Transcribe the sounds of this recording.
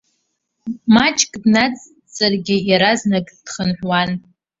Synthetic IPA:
mat͡ʃʼkʼdnat͡sʼ | t͡sʼarɡʲɪjaɾaznakʼd̥χənħʷwan

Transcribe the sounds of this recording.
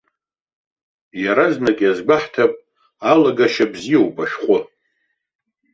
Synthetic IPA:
jaɾaznakʲʼazɡ͡bʷaħtʰapʼ | alaɡaʃabzijowpʼaʃχʷʊ

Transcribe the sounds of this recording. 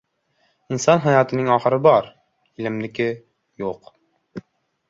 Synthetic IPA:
ɪnsɒnɦajɒt̪ʰɪnɪŋɒχɨɾɪbɒɾ | ɪlɪmlɪkʲɪ | joq

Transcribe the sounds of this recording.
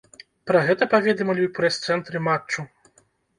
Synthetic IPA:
pɾɐɣɛt̪ɐpavʲɛd̪ɛmɐlʲipɾɨst̪sɛnt̪ɾɨmat͡ʂt͡ʂːu

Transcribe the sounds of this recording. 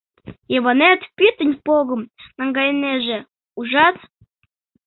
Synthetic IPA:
jeβɑnet̪pʲit̪ə̆nʲpoɣɤ̆mnɑŋɡɑjnːeʒe | uʒɑt̪

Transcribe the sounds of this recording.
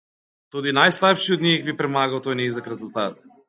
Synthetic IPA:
t̪od̪inajslˠapʃiod̪nixbipɾɛmaɡawt̪ɔjnɛizakɾɛzulˠt̪at̪

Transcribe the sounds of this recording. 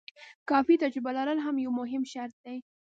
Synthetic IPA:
kɑfit̪ad͡ʒɾɪbalaɾəlɦamjawmʊɦɪmʃaɾt̪̚d̪aj

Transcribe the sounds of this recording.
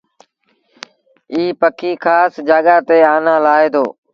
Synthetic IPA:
iːpəkʰiːkʰaːsd͡ʒaːɠaːt̪eːaːnãːlaːeːd̪oː

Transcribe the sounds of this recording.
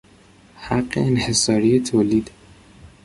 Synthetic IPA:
haɢːḛːnhe̞sɒːɾijet̪ʰoːliːd̪̥

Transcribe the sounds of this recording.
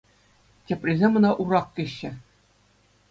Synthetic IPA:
tʲɘ̆pʲrʲizʲemʲɤ̆nɑʔurɑkkʲɘ̆ɕːɘ̆

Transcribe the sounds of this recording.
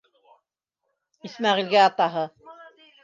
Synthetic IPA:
ismɑʁilɡæɑt̪ɑɦɤ

